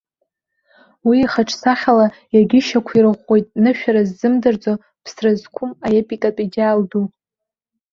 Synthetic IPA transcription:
wiːχaʈ͡ʂʰsaχʲala | jaɡʲɪʃakʷʰirɨʁʷo̞jtʼnɨʃᶣaɾazːɨmdɨrd͡zo | pʰsrazkʷʰʊmaepʼikʼatʼid͡ʒaːldu

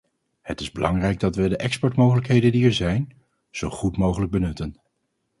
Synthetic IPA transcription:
hətɪzbəlɑŋrɛjɡ̚dɑtʋədəʔɛkspɔɹtmowχələkɦejdəndiɛɹzɛjn | z̥owχutmowχələɡ̚bənɵtən

